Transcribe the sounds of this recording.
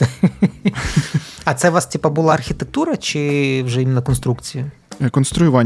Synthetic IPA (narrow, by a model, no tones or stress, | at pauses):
ɐt̪sɛʋastʲipɐbʊlˠaɐrxʲit̪ek̚t̪uɾɐt͡ʃɪwʒɛimɪnːɐkɔnst̪ɾukt͡sʲijʊ | kɔnst̪ɾʊjʊʋanʲ